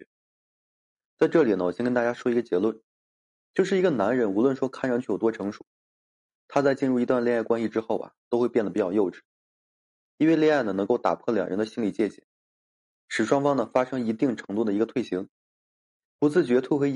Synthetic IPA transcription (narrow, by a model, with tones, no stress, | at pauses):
t͡sa˥˧ɪʈ͡ʂɤ˥˩li˨˩nə˦wɔ˨˩ɕjɛ˥kə˥nt̪a˥˩t͡ɕja˥ʂwɔ˥i˧˥ɡə˧t͡ɕjɛ˧˥lwə˥˩n | t͡ɕjo˥˧ʊʂ̬ɻ̩˥˩i˧˥ɡə˧na˧˥nɻə˧˥nu˧˥lwə˥˩nʂwɔ˥kʰa˥˩nɻŋt͡ɕʰy˥˩jʊt̪wɔ˥ʈ͡ʂʰɤ˧˥ŋʂu̥˨˩˦ | t̪ʰa˥t͡sa˥˧ɪt͡ɕi˥˧nɻu˥˩i˧˥t̪wa˥˧nlja˥˩ɪkwa˥nɕi˧˩ʈ͡ʂɻ̩˥xo˥˩ʊɐ̰˨˩t̪o˥xe˥˧ɪpjɛ˥˩nd̪ə˩pi˧˩t͡ɕjɑ̰˨˩jo˥˧ʊʈ͡ʂɻ̩˥˩˦ | i˥nwe˥˧ɪljɛ˥˧a˥˩ɪnə˩nɤ˧˥ŋko˥˩ʊt̪a̰˨˩pʰɔ˥˩ljɑ̰˨˩ŋɻə˧˥nd̪ə˧ɕi˥nli˨˩t͡ɕjɛ˥˩t͡ɕɛ̰˨˩˦ | ʂɻ̩˨˩ʂwɑ˥ŋfɑ˥ŋnə˨fa˥ʂɤ˥ŋi˧˥t̪i˥˩ŋʈ͡ʂʰɤ˧˥ŋt̪u˥˩d̪ə˩i˧˥ɡə˧t̪ʰwe˥˩ɪɕi˧˥ŋ | pu˧˥t͡sɹ̩˥˩t͡ɕɥɛ˧˥t̪ʰwu˥˩xw